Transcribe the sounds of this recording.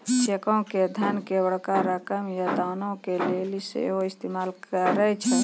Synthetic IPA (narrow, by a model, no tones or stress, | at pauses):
t͡ʃekɔ̃ked̪ʱənkebəɽkaɾəkəmjəd̪aːnõkelelisḛɦoɪst̪emaːlkəɾət͡ʃʰɛ